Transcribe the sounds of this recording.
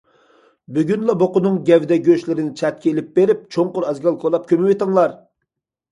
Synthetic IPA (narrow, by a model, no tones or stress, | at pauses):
byɡʲynlˠɑboqʊnɨŋɡʲɛvd̪ɛɡʲøʃlɪɾɪnɪt͡ʃʰɛt̪̚kʲeelɪp̚beɾɪp̚t͡ʃʰoŋqʊɾɛzɡʲɑlˠkʰolˠɑp̚kʲʰømɪwet̪ɨŋlˠɑɾ